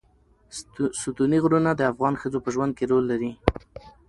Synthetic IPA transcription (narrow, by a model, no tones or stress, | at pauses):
sut̪uniɣɾunad̪əafɣɑnxəd͡zopəʒwand̪̚keɾolːaɾi